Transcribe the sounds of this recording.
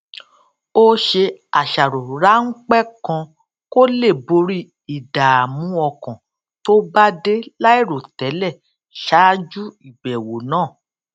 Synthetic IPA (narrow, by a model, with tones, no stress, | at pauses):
o˦ʃe˧a˨ʃa˨ɾo˨ɾa˨˦ŋ̩˦k͡pɛ˦˨kã˧ | ko˦le˦˨bo˧ɾi˦ | i˨da˨a˨mũ˨˦ɔ˧kã˨ | to˦ba˦de˦la˦i˦˨ɾo˨tɛ˨˦lɛ˦˨ | ʃa˨˦d͡ʒu˦i˨bɛ˨wo˨nãː˦˨